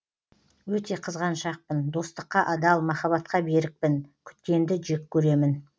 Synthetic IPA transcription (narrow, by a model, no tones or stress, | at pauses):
wɵt̪e̞qʰəzʁɑnʃɑq̚pənd̪o̞st̪əqːɑʔɑd̪ɑlˠmɑχɑβɑt̪qɑbe̞ɾɪk̚pɪnkʲʰʏ̥t̪kʲe̞nd̪ɪʒekʲʰːɵɾe̞mɪn